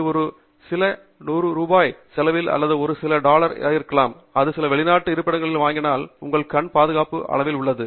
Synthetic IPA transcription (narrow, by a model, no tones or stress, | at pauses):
ɔɾɯ | sɪlɐ | nuːɾɯɾuːbaːjsɛlɐʋɪlɐ̰lːɐðɯɔɾɯsɪlɐɖaːlɐɾɪ̰aːjɪɾɯkːɐɭaːm | ɐðɯsɪlɐʋɛɭɪnaːʈːɯɪɾɯpːɐɽɐŋɡɐɭɪlʋaːŋɡɪnaːlʊŋɡɐɭkɐɳpaːðɯɣaːpɯʔɐ̰ɭɐʋɪlʊɭːɐðɯ